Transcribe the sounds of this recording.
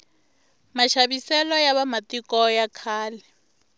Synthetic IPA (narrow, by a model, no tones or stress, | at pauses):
maʃaβisɛlɔjaβamatikɔjakʰaːlɛ